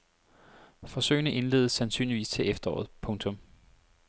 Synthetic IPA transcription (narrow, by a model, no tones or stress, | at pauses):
fɒ̽sø̰ɪnəʔe̝nle̝̰ːð̞ˠəsænsy̰ːnliʋḭːst͡sʰe̝ʔefd̥ɐɒ̰ːð̞̩ˠpʰɔ̽ŋt͡sʰɔ̽m